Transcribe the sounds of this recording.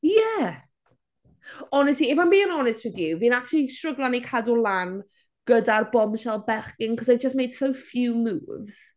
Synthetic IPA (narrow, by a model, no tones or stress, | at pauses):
jɛ | ɔnɛstliɪvanbiɪ̃nɔnɪst̚wɪðjuvinak̚t͡ʃulˠiʃtɹ̥əɡlˠanikʰadulˠan | ɡ̥ədarbɔmʃɛlˠbɛχkɪŋkʰɔzajvd͡ʒəsmejd̥sowfjuːmṵːvz̥